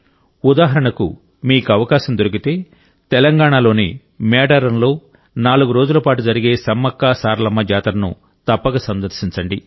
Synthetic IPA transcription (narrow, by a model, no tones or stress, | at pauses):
ud̪aːɦɐɾɐɳɐkṵ | miːkuɐʋɐkaːʃɐmd̪oɾik̬it̪e̞ː | t̪ɛlɐŋɡaːɳaːlo̞ːnḭ | mɛːɖɐɾɐnlo̞ː | naːluɡuɾo̞ːd͡ʒulɐpaːʈud͡ʒɐɾiɡe̞ːsɐmːɐkːaːsaːɾlɐmːɐd͡ʒaːt̪ɾɐnṵ | t̪ɐpːɐɡɐsɐnd̪ɐɾʃiɲt͡ʃɐɳɖi